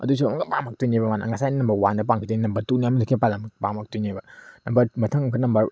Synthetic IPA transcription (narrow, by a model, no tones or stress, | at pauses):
ɐ̰dus̬umɐŋɡɐpaŋmɐk̚tujnibɐmana̰ŋɐsajninɐmbɐwandɐp̬aŋkʰideninɐmbɐɾtuniamɐdikʰepalɐmpamɐk̚tujnebɐnɐmbɐɾmɐtʰɐŋkʰɯnɐmbɐɾ